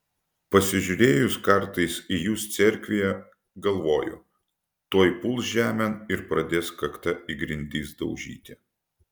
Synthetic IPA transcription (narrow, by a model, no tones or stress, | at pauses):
pɐsʲɪʒʲʊɾʲeːjʊskɐɾt̪ɐɪsijuːst̪sʲɛɾʲkʲʋʲɪjɛ | ɡɐlˠʋoːjʊ̰ | t̪oːjpʊlˠsʒʲæːmʲɛnɪɾpɾɐd̪ʲeːskɐkt̪ɐʔiɡɾʲɪnʲd̪ʲiːsd̪ɐʊʒʲḭːt̪ʲɪ